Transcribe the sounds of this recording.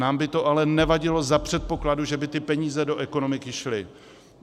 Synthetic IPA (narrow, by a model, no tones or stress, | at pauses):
aːmbɪt̪o̞ʔalɛnɛvaɟɪlo̞zapr̝̥ɛt̪̚po̞kladuʒɛbɪt̪ɪpɛɲiːzɛdo̞ʔɛko̞no̞mɪkɪʃlɪ